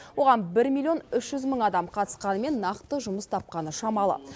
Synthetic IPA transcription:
wo̞ʁɑnbɪɾmʲilʲˠio̞nʏʃʒʏzməɴɑd̪ɑmqʰɑt̪ə̥sqɑnəme̞nːɑqt̪əʒʊməst̪ʰɑp̚qɑnəʃɑmɑlˠə̰

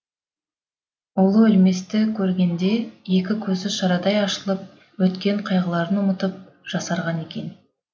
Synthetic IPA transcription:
olˠəʏlme̞st̪ɪkʲʰɵɾɡʲe̞nd̪e̞je̞kʲɪkʲʰɵzɪʃɑɾɑd̪ɑjɑʃəlˠəp̚ | wɵt̪kʲe̞ɴqʰɑjʁəlˠɑɾənʊmət̪əp̚ | ʒ̥ɑsɑɾʁɑne̞kʲe̞n

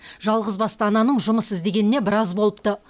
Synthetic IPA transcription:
ʒɑlˠʁəzbɑst̪əɑnɑnəɴʒʊməsɪzd̪e̞ɡʲe̞nɪne̞bɪɾɑzbo̞lˠəp̚t̪ə

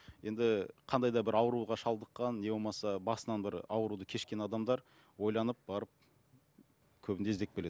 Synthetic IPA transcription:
je̞nd̪ɪqʰɑnd̪ɑjd̪ɑbɪɾɑwəɾuʁɑʃɑlˠd̪əqːɑnːe̞bo̞lˠmɑsɑbɑsənɑnbɪɾɑwəɾud̪əkʲʰe̞ʃkʲe̞nɑd̪ɑmd̪ɑɾ | wo̞jlˠɑnəp̚bɑɾəp̚ | kʲʰɵbɪnd̪ezd̪e̞k̚be̞le̞d̪ɪ

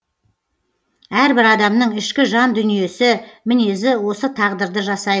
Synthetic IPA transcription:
æɾbɪɾɑd̪ɑmnəɴɪʃkʲɪʒɑnd̪ʏnije̞sɪmɪne̞zɪwo̞sət̪ʰɑʁd̪əɾd̪əʒɑsɑj̪

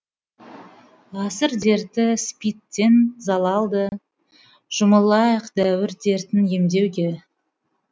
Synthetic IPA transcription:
ʁɑsəɾd̪e̞ɾt̪ɪspijt̪ːe̞nzɑlˠɑlˠd̪ə | ʒ̥ʊməlˠɑjəqd̪æwɪɾd̪e̞ɾt̪ɪnje̞md̪e̞wɡʲe

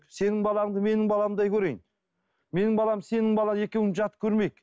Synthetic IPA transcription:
se̞nɪŋbɑlˠɑɴd̪əme̞nɪŋbɑlˠɑəmd̪ɑjkʲʰɵɾejɪn | me̞nɪŋbɑlˠɑmse̞nɪŋbɑlˠɑje̞kʲewɪŋʒɑt̪kʲʰɵɾme̞jk

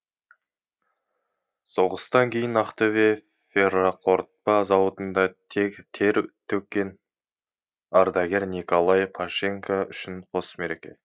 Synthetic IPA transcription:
soʁəst̪ɑŋkʲʰe̞jɪnɑqt̪ove | feraqʰo̞ɾt̪̚pɑzɑwot̪ənd̪ɑt̪ʰekt̪ʰeɾt̪ʰɵkʲːe̞n | ɑɾd̪ɑɡʲe̞ɾnikolˠɑjqʰaʃe̞ŋkʰaʏʃɪnqʰo̞sme̞ɾekʲe̞̰

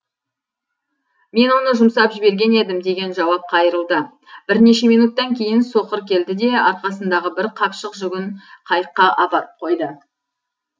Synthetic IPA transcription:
me̞nwo̞nəʒʊmsɑpʒɪbe̞ɾɡʲe̞ne̞d̪ɪmd̪e̞ɡʲe̞nʒɑwɑp̚qʰɑjəɾəlˠd̪ə | b̥ɪɾne̞ʃe̞mijnut̪ːɑŋkʲʰe̞jɪnsoqəɾkʲʰe̞ld̪ɪd̪e̞ɑɾqɑsənd̪ɑʁəbɪɾqʰɑpʃəqʒʏɡʲɪɴqʰɑjəqːɑʔɑpɑɾəp̚qʰo̞jd̪ə

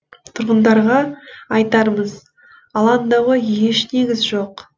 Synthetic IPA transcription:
t̪ʰʊɾʁənd̪ɑɾʁɑɑjt̪ɑɾməz | ɑlˠɑnd̪ɑwəje̞ʃne̞ɡʲɪzʒo̞q

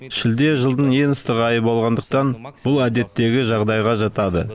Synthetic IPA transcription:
ʃɪld̪e̞ʒəlˠd̪əɴje̞ŋəst̪əʁəɑjəpolˠʁɑnd̪əq̚t̪ɑnb̥ʊlˠæd̪e̞t̪ːe̞ɡʲɪʒɑʁd̪ɑjʁɑʒɑt̪ɑd̪ə

